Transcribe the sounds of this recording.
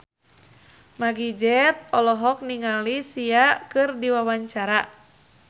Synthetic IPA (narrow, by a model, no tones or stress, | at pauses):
maɡid͡ʒɛt̪̚ɔlɔɦɔk̚niŋalisiakɨrdiwawaɲt͡ʃaɾa